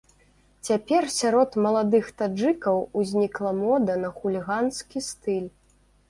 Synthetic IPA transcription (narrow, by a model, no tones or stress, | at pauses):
t͡sʲapʲɛrsʲaɾɔt̪mɐlˠad̪ɨxt̪ad͡ʐɨkɐwuzʲnʲiklˠɐmɔd̪ɐnɐxulʲiɣanskʲist̪ɨlʲ